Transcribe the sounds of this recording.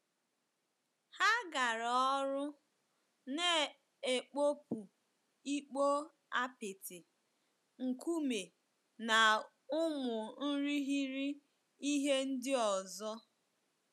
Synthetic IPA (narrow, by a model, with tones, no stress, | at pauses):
ha˦ɡa˨ɾɔ˦ɾʊ˦ | ne˦ | e˨k͡po˦pu˨ | i˦k͡po˦ | a˦pɪ˨tɪ˨ | ŋ̩˨ku˦me˨ | na˨ | ʊ˦mʊ˨n̩˦ɾi˦ɦi˦ɾi˦ | i˦ɦe˦n̩˦dɪ˦ɔ˨zɔ˦